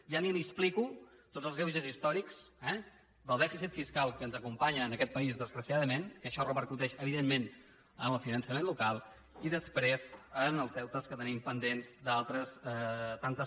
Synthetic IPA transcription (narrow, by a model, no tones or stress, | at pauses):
ʒanimisplikut̪odzəlzɣɛwʒəzist̪ɔɾikz̥ɛ | d̪əlˠd̪ɛfisit̪fiskalˠkəːnzəkumpaɲəːnəkɛt̪̚pəizðəzɣɾəsiaðəmenkəʃɔrəpəɾkut̪ɛʃəβ̞iðemːen | ənəlˠfinənsəmenlukalˠ | iðəspɾezənəlˠzðɛwt̪əskət̪ənimpənd̪enzd̪alˠt̪ɾəzɛt̪ant̪ə